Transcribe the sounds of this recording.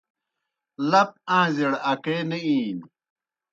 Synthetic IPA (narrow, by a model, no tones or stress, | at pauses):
lɐp̚ãːzeɽɐkeːneiːn